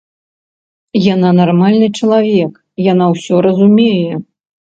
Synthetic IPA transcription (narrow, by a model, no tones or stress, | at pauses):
jananarmalʲnɨt͡ʂɐlˠavʲɛk | janawsʲɔɾɐzumʲejɛ